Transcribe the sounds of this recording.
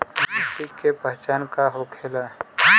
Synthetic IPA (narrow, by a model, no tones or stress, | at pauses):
t̪ikːepəɦt͡ʃaːnkaɦokʰeːlaɦɛ